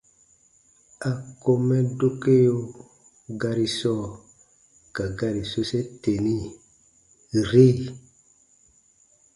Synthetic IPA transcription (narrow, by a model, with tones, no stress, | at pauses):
a˨ko˦mɛ˦do˦ke˦jo˦ | ɡa˦ɾi˨sɔ˦˨ | ka˨ɡa˦ɾi˨so˦se˦te˨ni˦ | ɾi˦